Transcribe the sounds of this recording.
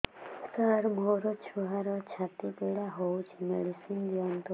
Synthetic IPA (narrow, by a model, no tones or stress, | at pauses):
saɾmoɾɔt͡ʃʰuɦaɾɔt͡ʃʰat̪ipeɽaɦowt͡ʃʰimḛɽisind̪iɔnt̪ɔ